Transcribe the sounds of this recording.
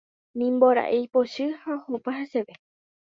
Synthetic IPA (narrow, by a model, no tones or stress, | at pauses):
nĩmboɾa̰ʔejpoʃɨhaohopaɦãseʋe